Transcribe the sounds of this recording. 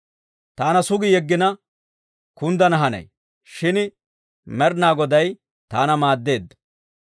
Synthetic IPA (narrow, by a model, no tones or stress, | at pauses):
t̪aːnɐsʊɡɪjɛɡːɪnɐ | kʊnd̪ɐnɐɦɐnɐ̰j | ʃɪn | mɛɾnaːɡɔd̪ɐj | t̪aːnɐmaːd̪ːe̞ːd̪ːɐ̥